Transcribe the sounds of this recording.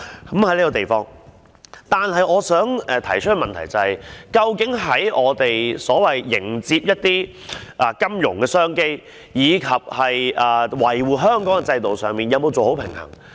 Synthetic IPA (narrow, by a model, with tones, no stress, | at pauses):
kɐ˨˥mhɐ˨˥liː˥kɔ˧˩t̪e˨jfɔː˥ŋ | t̪aː˨nɦɐ˨jɔː˨˧sœː˨˥ŋɛ˨˧t̪ʰɐ˨˩jt͡ʃʰɵ˥kɛ˥˧mɐ˨nt̪ʰɐ˨˩jt͡sɐ˨˩hɐ˨jkɐ˧wkɪ˨˥ŋɦɐ˨˥jʔɔː˨˧t̪e˨jsɔː˨˥wɐ˨jːɪ˨˩ŋt͡siː˧p̚jɐ˥t̚t̪iː˥ | ʔɐ˨kɐ˥mjʊ̰˨˩ŋkɛː˧sœː˥ŋke˥j | jiː˨˧kʰɐ˨p̚hɐ˨jʔɐː˨wɐ˨˩jwuː˨˩ɦœː˥ŋkɔː˨˥ŋɡɛ˧t͡sɐ˧jt̪o˨wsœː˨˧ŋmiː˨njɐ˨˧wmo˧wt͡so˨who˨˥wpʰɪ˨˩ŋhɐ̰˨˩ŋ